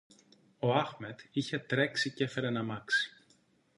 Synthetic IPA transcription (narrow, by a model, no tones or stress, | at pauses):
o̞ɐxme̞t̪içe̞t̪ɾe̞ksicefe̞ɾenɐmɐksi̥